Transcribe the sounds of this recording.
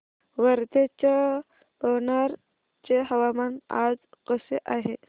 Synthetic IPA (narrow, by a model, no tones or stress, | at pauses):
ʋəɾd̪et͡ɕa | bəwnaɾ | t͡ɕeɦɐʋamana̰d͡zqəseʔaɦe